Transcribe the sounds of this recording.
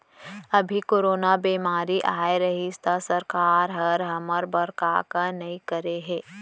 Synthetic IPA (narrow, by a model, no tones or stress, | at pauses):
ɐbʱikoːɾoːnabiːmaːɾiʔaːeɾɐɦist̪asɐɾkaːɾɦɐɾɦɐməɾbɐɾkaːkanɐɦĩkəɾeɦɛː